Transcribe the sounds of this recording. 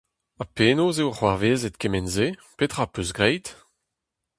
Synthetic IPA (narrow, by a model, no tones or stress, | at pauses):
apeːnozewaχwaʁveːzet̪̚kemɛnzepet̪χapøsɡʁɛjt̪